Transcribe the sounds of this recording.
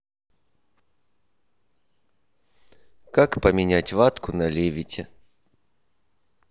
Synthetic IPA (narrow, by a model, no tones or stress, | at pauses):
kakpəmʲɪnʲætʲvat̪kʊnɐlʲevʲɪtʲɪ